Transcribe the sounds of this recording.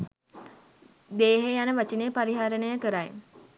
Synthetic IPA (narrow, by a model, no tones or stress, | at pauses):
d̪eːɦejanəʋat͡ʃineːpaɾiɦaɾənəjəkəɾaj